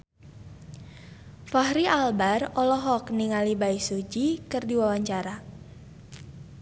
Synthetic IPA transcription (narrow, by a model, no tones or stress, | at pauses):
fahɾiʔalbarɔlɔɦɔkniŋalibaisud͡ʒikɨrdiwawaɲt͡ʃaɾa